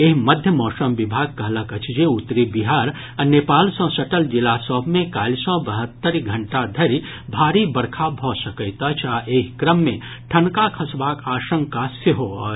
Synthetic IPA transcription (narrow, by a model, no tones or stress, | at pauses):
eɦməd̪ʱjəmɔːsəmbɪbʱaːɡ̚kəɦləkət͡ʃʰd͡ʒeut̪ːɾibiɦaːɾ | anepaːlsə̃səʈəld͡ʒɪlasɔːbʱmẽkaːlsɔbəɦət̪ːəɾɡʱəɳʈad̪ʱəɾi | bʱaːɾibəɾkʰabʱɔsəkət̪at͡ʃʰaʔekkɾəmːẽ | ʈʰənkakʰəsbaːkaːʃə̃ŋkaseɦoː